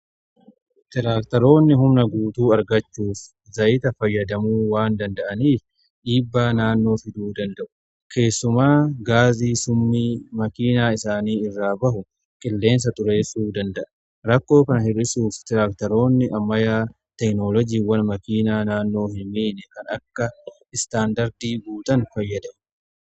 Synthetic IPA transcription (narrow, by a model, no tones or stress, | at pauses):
t̪ɪɾaːkt̪ɐɾo̞ːnːɪɦʊmnɐɡuːt̪uːɐɾɡɐt͡ʃːuːf | zɐʔɪːt̪ɐfɐjːɐd̪ɐmuːwaːnd̪ɐnd̪ɐʔɐniːf | ᶑiːbːaːnaːnːo̞ːfɪd̪uːd̪ɐnd̪ɐʔʊ̥ | kʰe̞ːsːʊmaːɡaːziːsʊmːiːmɐkiːnaːɪsaːniːɪrːaːbɐɦʊ | kʼɪlːe̞ːns̬ɐt̪ʼʊɾe̞ːsuːd̪ɐnd̪ɐʔɐ | ɾɐkːo̞ːkɐnɐhɪɾɪsuːft̪ɪɾaːkt̪ɐɾo̞ːnːɪʔɐmːɐjaː | t̪ɛknoːlɔd͡ʒiːwɐnmɐkiːnaːnaːnːo̞ːhɪmiːnɛkɐnɐkːɐ | ɪst̪aːnd̪ɐɾd̪iːɡuːt̪ɐnfɐjːɐd̪ɐʔʊ̥